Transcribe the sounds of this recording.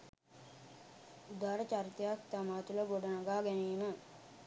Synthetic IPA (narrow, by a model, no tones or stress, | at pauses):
ud̪aːɾət͡ʃaɾit̪əjak̚t̪amaːt̪uləɡoɖɐnaɡaːɡæniːmə